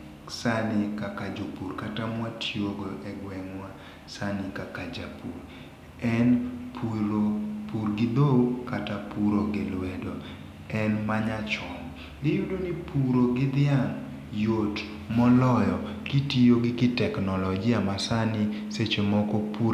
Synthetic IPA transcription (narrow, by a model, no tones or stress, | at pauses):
sanɪkakad͡ʒopurkatamwatʰjoɡoʔɛɡwɛŋwa | sanɪkakad͡ʒapur | ɛnpʰuɾopurɡɪd̪okatapuɾoɡɪlwɛdɔ | ɛnmaɲat͡ʃɔŋ | lɪjudonipʰuɾoɡɪd̪ɪaŋ | jot | mɔlɔjɔkitijoɡɪkɪtɛknɔlɔɡɪamasanɪset͡ʃemɔkɔpu